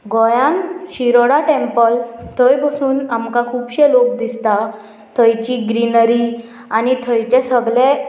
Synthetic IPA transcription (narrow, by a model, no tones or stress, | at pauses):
ɡɔjãnɕiɾoɽaʈempəlt̪ʰəjbəsuːnamkakʰuːbɕelok̚d̪ist̪a | t̪ʰəjt͡ɕiɡɾinəɾi | anit̪ʰəjt͡ɕɛsəɡlɛ̃